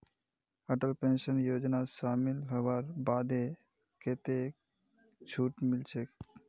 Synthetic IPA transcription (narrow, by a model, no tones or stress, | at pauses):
əʈəlpenʃənjod͡ʒnaʃamilɦɔwaɾbad̪e | ket̪e | t͡ɕʰuʈmilt͡ʃʰek